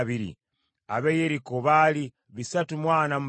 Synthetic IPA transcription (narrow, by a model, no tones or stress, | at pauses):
βiɾḭ | aβejeɾikoβali | βisatumwaːnam̩u